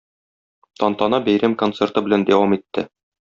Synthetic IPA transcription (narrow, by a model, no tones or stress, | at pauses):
t̪ɒnt̪ɑnɑbæjɾæmkont̪sert̪ɤbɘ̆lænd̪æwɑmit̪ːɘ